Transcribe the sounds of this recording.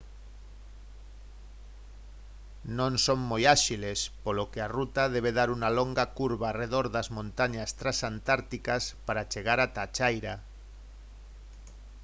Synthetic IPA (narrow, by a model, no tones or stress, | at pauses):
nõŋsoŋmojaʃilespolokearut̪aðeβ̞eðaɾunaloŋɡakuɾβaːreðoɾðazmõnt̪aɲast̪ɾasant̪aɾt̪ikaspaɾat͡ʃeɣ̞aɾat̪at͡ʃajɾa